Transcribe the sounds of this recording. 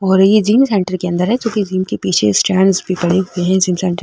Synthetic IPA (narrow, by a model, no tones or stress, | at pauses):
ɔːɾjed͡ʒiːmsɛ̃ɳʈəɾkeɐ̃nd̪əɾɦɛd͡ʒõːkid͡ʒiːmkepiːt͡ʃʰḛsʈɛːɳɖzbʱipɐɽeɦʊeɦɛ̃d͡ʒiːmsɛ̃ːɳʈəɾ